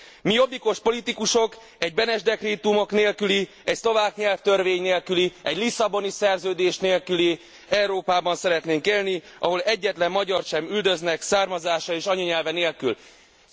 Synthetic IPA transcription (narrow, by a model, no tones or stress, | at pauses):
mijo̞biko̞ʃpo̞lit̪ikuʃo̞k | ɛɟ̚bɛnɛʒd̪ɛkreːt̪umo̞kneːlkyli | ɛcslo̞vaːkɲɛlft̪ørveːɲneːlkyliɛɟlisɒbo̞nisɛrzøːd̪eːʃneːlkyli | ɛuɾoːpaːbɒnsɛɾɛt̪neːŋkeːlniʔɒɦo̞lɛɟːɛt̪lɛmːɒɟɒrʃɛmyld̪ø̞znɛksaːrmɒzaːʃɒeːʃɒɲoɲɛlvɛneːlkyl